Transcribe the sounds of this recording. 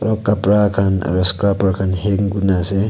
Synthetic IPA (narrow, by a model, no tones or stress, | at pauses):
ɾɔkapɾakʰana̰ɾɔskɾapaɾkʰanheŋɡunase